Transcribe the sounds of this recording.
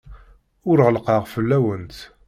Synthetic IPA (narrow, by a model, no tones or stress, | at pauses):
ʊɾʁəlqɑʁfəlːæwənt̪